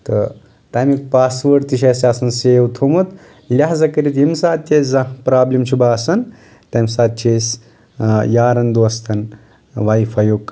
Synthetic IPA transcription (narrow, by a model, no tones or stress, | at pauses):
t̪ɨ | ʈamik̚paːsʋəɾt̪iʃ̬ɐsaːsɐnseːwt̪ʰomut̪ | lʲaɦzɐkɐɾit̪jimsaːt̪̚tʲeszɐpɾaːblʲimt͡ʃʰubaːsɐn | t̪ɐmsaːt̪̚t͡ʃʰeːs | jaːɾɐnd̪uɐst̪ʰɐn | ʋaifɐjok